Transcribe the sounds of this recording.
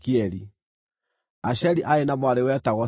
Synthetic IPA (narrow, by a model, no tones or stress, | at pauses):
kiɛɾi | aʃɛliʔaenamwaɾewɛtaɣwɔ